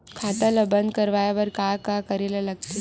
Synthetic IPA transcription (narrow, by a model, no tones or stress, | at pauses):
kʰat̪ələbənd̪kəɾʋajaʋəɾkakakəɾelalaɡ̚t̪e